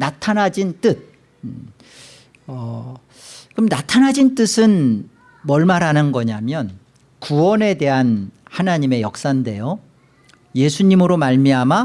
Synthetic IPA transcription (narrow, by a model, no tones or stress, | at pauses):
natʰanad͡ʑint͈ɯt̚ | ʌ | kɯmnatʰanɦad͡ʑint͈ɯsʰɯn | mʌɭmaɾɦanɯnɡʌɲamjʌn | kuwʌne̞de̞ɦanhanaɲime̞jʌk̚s͈ande̞jo | je̞sʰuɲimɯɾomaɭmiɦama